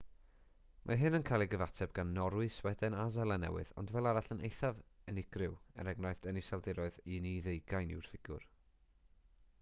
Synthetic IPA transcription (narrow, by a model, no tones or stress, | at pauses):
mʔaɦɨnənkʰajlˠiɡəvatʰɛb̚ɡanːɔɾwɨswɛdɛnazɛlˠanɛ̰wɨðɔ̰ndvɛlˠaɾaɬənejθavənɪɡ̥rɪwɛ̰ɾɛɡnɔɨθd̥ɛnisalˠdɪɾɔɨðiniðejɡ̥ajnɪ̰wr̥fɪɡ̥ʊ̰r